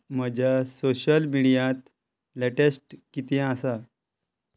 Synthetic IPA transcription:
m̤əd͡ʑʱjasoɕəlmiɽijãt̪ | leʈesʈkit̪ẽasa

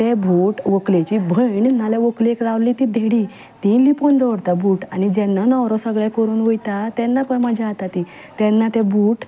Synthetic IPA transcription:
t̪ebʱuːʈʋoklet͡ɕibʱəjnnaleʋoklekɾaʋliːt̪id̪ʱeɽiː | t̪ĩlipɔnd̪əʋəɽt̪abuːʈanid͡ʑɛ̃nːanɔʋɾɔsəɡɭɛkəɾuːnʋojt̪at̪ɛnːapəɳməd͡ʑʱaat̪at̪i | t̪ɛ̃nːat̪ɛbʱuːʈ

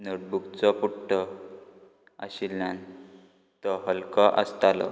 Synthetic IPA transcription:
noʈ̚bukt͡sɔpuʈʈɔ | ə̰ɕilːãn | t̪ɔɦəlkɔʔəst̪alɔ̰

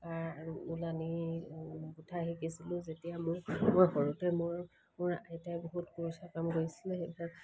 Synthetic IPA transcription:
aulani | butʰaɦikisilʊ̃zetijamʊɹmojxɔɹutɛmʊɹ | mʊɹajtajboɦutkuɹusakamkoɹisilɛxebʰa

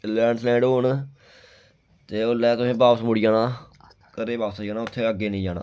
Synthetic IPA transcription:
lɛːɳslɛ̃ːɳɖɦoːn | t̪eːoːlɛːt̪ʊsẽːbaːpsmʊɽijaːnaː | kəɾeːbaːpsjaːnaːʊt̪ʰːeːəɡːeːnĩːd͡ʒaːna̰ː

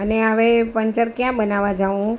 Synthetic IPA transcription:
əneaʋepəɲt͡ʃəɾkjãɓənaʋad͡ʒaʋũ

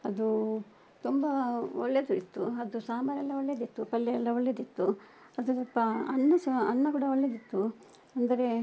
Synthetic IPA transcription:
ɐd̪u | t̪umbɐɔɭːed̪uit̪ːuɐd̪usaːmaːɾɛlːɐɔɭːjed̪it̪ːupɐlːɛjɛlːɐɔɭːed̪it̪ːu | ɐd̪ut̪ɐpːɐɐ̰nːɐsɐɐnːɐkuːɽɐɔɭːed̪it̪ːu | ɐnd̪ɐɾe̞

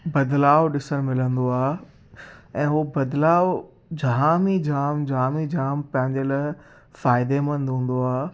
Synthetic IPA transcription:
bɐd̪laːʊɗɪsəñmɪlə̃nd̪oaː | ɛ̃ːɦubɐd̪laːʋo | d͡ʑaːmid͡ʑaːmd͡ʑaːmid͡ʑaːmpɐ̃ɦɪ̃ɲd͡ʑela | faːɪd̪emɐ̃nd̪ʱũːn̆d̪oaː

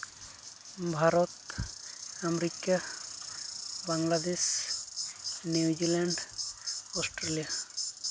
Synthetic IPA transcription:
bʱaɾɔt̪ | amɾika | baŋlad̪es | nuud͡ʒilaɳɖ | ɔsʈɾelija

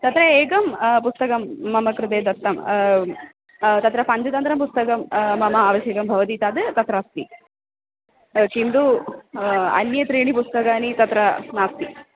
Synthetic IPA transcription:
t̪ɐt̪ɾɐeːɡɐmpust̪ɐkɐmːɐmɐkɾud̪eːd̪ɐt̪ːɐm | t̪ɐt̪ɾɐpɐɲd͡ʒɐt̪ɐnt̪ɾɐmpust̪ɐkɐmːɐmɐaːʋɐʃjɐkɐmbʱɐʋɐt̪iːt̪aːd̪ɨt̪ɐt̪ɾast̪i | t͡ʃind̪u | ɐ̰njɐt̪ɾiːɳipust̪ɐkaːnit̪ɐt̪ɾɐnaːst̪i

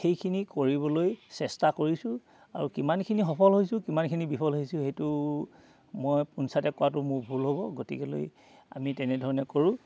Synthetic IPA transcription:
xejkʰinikoɹibɔlojsɛstakoɹisʊ | a̰ɹukimankʰinixɔpʰɔlɦojsʊ̃kimankʰinibipʰɔlɦojsʊ̃xejtʊ | mojpunsatɛkʊwatʊmʊɹbʱulɦobɔɡotḭkɛlo̰j | a̰mitɛnɛdʱɔɹɔnɛkoɹʊ̃

